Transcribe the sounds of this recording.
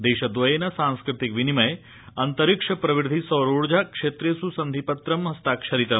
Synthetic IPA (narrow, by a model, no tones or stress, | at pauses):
d̪eːʃɐd̪ʋɐjenɐsãnskɾɪt̪ikʋinimɐj | ɐnt̪ɐɾikʂɐpɾɐʋiɾd̪ʱisɐːɾoːɽd͡ʒakʂeːt̪ɾesusɐnd̪ʱipɐt̪ɾɐmɦɐst̪akʂɐɾit̪ɐm